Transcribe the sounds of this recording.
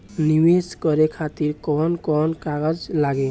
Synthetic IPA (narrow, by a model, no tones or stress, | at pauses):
niweskɔɾekʰat̪iɾkɔnkɔnkaɡəd͡ʒlaɡe